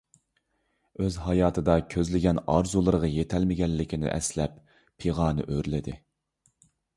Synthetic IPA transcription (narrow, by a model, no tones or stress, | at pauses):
øzɦɑjɑːt̪ʰɨd̪ɑkʲʰøzlɪɡʲɛnɑɾzulˠɨɾəʁɑjet̪ʰɛlmɪɡʲɛlːɪkʲʰinɪ̰ʔɛ̰slɛpʰː | eʁɑːnɨ̰ʔøɾlɪd̪ɪ